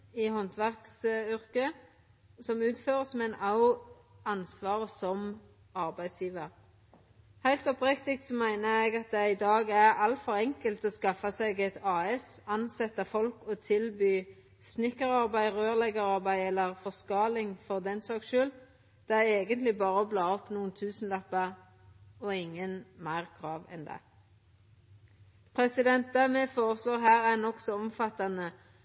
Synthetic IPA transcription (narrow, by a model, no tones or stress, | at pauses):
ɪhɔnt̪ʰʋæʁksʏʁkə | sɔmʉːt̪føːʁəsmɛnɑʊ | ɑnsʋɑːʁəsɔm | ɑʁbæɪd̪sjiːʋəʁ | hæɪlt̪ɔpʁɛkt̪ɪkt̪sɔmæɪnəɛɡɑt̪̚d̪ɛɪd̪ɑːɡæʁɑlt̪fɔɾɛŋkəlt̪ɔskɑfɑsɛɡɛt̪ɑːɛsɑnsɛt̪ːɑfɔlkɔt̪ʰɪlbyː | snɪkəʁɑʁbæɪʁøːʁlɛɡəʁɑʁbæɪɛlːəʁfɔʁskɑːlɪŋfɔʁd̪ɛnsɑːkʃʉːl | d̪̥ɛæeːɡənt̪lɪbɑːʁəblɑːɔpnuːənt̪ʰʉːsn̩lɑpːɑʁ | ɔɪŋːənmæɪʁkʰʁɑːʋɛ̰nd̪ɛ̰ | pʰʁɛsɪd̪ɛnt̪̚d̪æmɛfoːʁəsloːʁɦæːʁænɔksɔɔmfɑt̪ːɑnə